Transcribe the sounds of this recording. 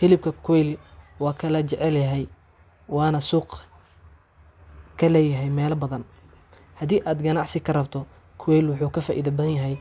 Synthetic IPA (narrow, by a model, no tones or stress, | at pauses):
fɪlɪb̚kʰɐkʰwɛjlwɑːkʰɐlɐt͡ʃɛʕɛljɐɦɛj | wɑːnɐsuːq | kʰɐlɛːjɐɦɛjmɛːlɐbɐðɐn | hɐd̪iːʔaːd̪ɡɐnɑʕsɪkʰɐrɐbt̪ʰɔ | kʰwɛjlwʊħuːkʰɐfaːʔḭːðɐbɐðɐnjɐɦɛj